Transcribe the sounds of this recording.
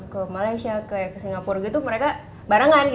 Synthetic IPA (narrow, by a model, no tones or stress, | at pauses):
kəmalajsiakaakəsiŋɡapʊrɡit̪uməɾeka | baɾaŋanɡ